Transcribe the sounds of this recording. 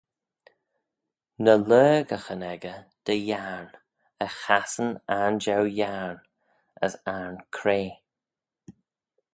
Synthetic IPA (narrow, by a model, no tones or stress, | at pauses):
nəlɜːɡəxənɛɡəd̪̥əjaɹn | əxasənaɹnd͡ʒɛwjaɹn | ə̰saɹnkʰɾeː